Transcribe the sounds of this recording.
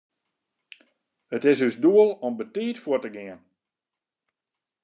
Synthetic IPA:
ətɪsøsduəlˠɔmbətiːtfuətəɡɪən

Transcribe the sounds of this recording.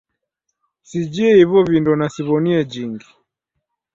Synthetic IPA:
sid͡ʒiɛhiβɔβindɔnasiβɔniɛd͡ʒiŋɡi

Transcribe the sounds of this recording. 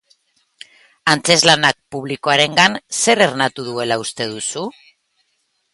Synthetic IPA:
ant͡se̞zlanak̚puβliko̞aɾe̞ŋɡanse̞ɾeɾnat̪uðue̞laust̪e̞ð̞usu

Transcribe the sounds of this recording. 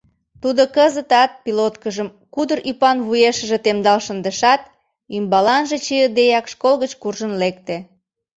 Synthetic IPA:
t̪ud̪okəzət̪ɑt̪̚pilot̪kəʒəm | kud̪əɾʔypɑnβujeʃə̆ʒet̪emd̪ɑlʃənd̪əʃɑt̪̚ | ymbɑlɑnʒet͡ɕiəd̪ejɑkʃkolɣət͡ɕkurʒənlek̚t̪e

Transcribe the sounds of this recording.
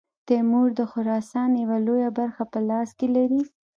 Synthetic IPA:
t̪emuɾd̪əxʊɾɑsɑnjawalojabaɾxapəlɑskelaɾi

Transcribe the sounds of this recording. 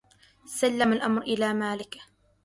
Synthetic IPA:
salːamalʔamɾʔɪlaːmaːlɪk

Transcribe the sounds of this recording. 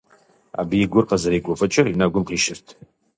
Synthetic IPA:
a̰biiɡʷʊrqʼazaɾijɡʷafʼat͡ʃʼɪrinaɡʷʊmqiʃɪrtʰʼ

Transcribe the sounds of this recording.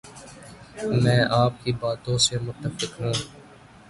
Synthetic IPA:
mɛ̃ːʔaːp̚kiːbaːt̪õːsemʊt̪ːəfɪkɦãː

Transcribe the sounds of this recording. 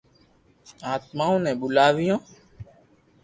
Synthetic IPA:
aːt̪maːõːnɛ̃ːɓʊlaːʋɪjõː

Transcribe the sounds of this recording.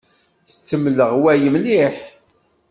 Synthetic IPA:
θə̥t͡sːəmləʁwæjəmniħ

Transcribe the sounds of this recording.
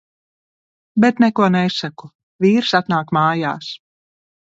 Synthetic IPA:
bɛt̪nɛkuɔnɛsaku | viːɾsat̪naːkmaːja̰ːs

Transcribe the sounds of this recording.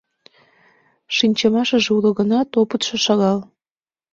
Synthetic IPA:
ʃinʲt͡ɕəmɑʃəʒeulə̆ɣənɑt̪opət̪ʃĕʃɑɣɑl

